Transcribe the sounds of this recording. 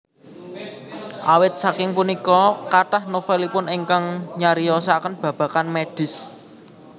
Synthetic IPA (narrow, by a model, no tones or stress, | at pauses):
ʔawɪt̪̚sakɪŋpunikɔkaʈahnofɛlipʊniŋkaŋɲaɾiɔsakənb̥ä̤b̥a̤kanmeɖ̥ɪ̤s